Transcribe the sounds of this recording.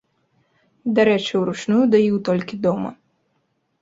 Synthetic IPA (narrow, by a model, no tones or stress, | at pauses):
d̪aɾɛt͡ʃiwɾut͡ʂnujud̪ajiwt̪ɔlʲkʲid̪ɔmɐ̰